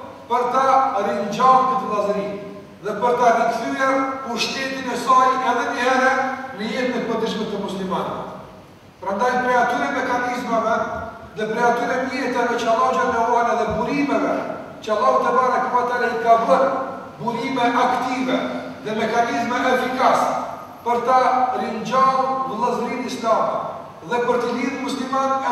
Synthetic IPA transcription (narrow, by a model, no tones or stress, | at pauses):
pəɾt̪aɾind͡ʒamt̪ət̪ənazəɾi | ðɛpəɾt̪anəkθyɛɾuʃt̪ɛt̪inɛsɑjɛðɛʔɛɾɛnəjɛɾmɛpɔd̪əʃmɛt̪ːəmuslimanɛ̰ | pəɾand̪ajpɾɛat̪yɾɛmɛkanizmɛvɛ | ðɛpɾɛat̪yɾɛiɾɛt̪ɛðɛt͡ʃalˠɔd͡ʒanɛɔanaðɛbuɾimɛvɛ | t͡ʃalˠɔvt̪ɛbaɾakəmat̪aɾaikabəɾ | buɾimɛʔakt̪ivɛ | ðɛmɛkanizmɛʔɛfikasɛ̥ | pəɾt̪aɾind͡ʒalvəlˠəzɾinist̪amɛ | ðɛpəɾt̪əliɾunmuslimanɛ